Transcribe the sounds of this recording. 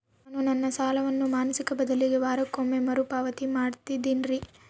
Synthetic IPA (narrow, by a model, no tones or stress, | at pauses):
nunɐnːɐsaːlɐʋɐnːumaːnɐsikɐbɐd̪ɐliɡe̞ʋaːɾɐkːoːmemɐɾupaːʋɐt̪imaːɽt̪id̪inɾi